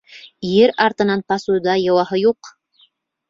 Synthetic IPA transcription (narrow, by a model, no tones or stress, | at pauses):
jeɾɑɾt̪ə̆nɑnpɑsud̪ɑjɑwɑɦəjoq